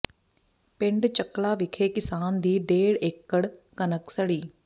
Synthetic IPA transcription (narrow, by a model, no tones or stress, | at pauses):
pɪ̃ɳɖt͡ʃəklaːʋɪkʰeːkɪsaːnd̪iːɖeːɽeːkːəɽkənəksəɽiː